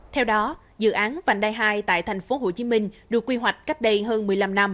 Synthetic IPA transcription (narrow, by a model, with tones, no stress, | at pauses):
t̪ʰɛ˧wɗɔ˨˦ | zɨ̰˧˨ʔaː˨˦nva̰˧˨˩ŋ̟ɗaː˧jɦaː˧jt̪a̰ː˧˨jt̪ʰa˨˩jŋ̟fo˨˦ɦo˧˩t͡ɕi˨˦mï˧ŋ̟ɗɨ˨˩kːwi˧ɦwa˨˩jk̟̚ka˦˥jk̟̚ɗə˧jɦəː˧nmɨ˨˩əjla˧mna˧m